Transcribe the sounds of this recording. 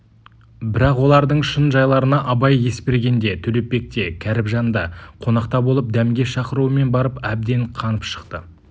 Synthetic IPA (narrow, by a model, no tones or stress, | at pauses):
bɪɾɑqwo̞lˠɑɾd̪əɴʃənʒɑjlˠɑɾənɑʔɑbɑjje̞spʲe̞ɾɡʲe̞nd̪e̞t̪ʰɵle̞p̚ːe̞k̚t̪e̞kʲʰæɾɪpʒɑnd̪ɑqʰo̞nɑqt̪ɑbo̞lˠəp̚d̪æmɡʲe̞ʃɑqəɾuəme̞nbɑɾəpæb̚d̪e̞ɴqʰɑnəpʃə̥qt̪ə̰